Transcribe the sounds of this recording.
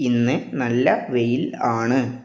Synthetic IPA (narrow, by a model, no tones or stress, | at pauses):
inːɨnɐlːɐʋejilaːɳɨ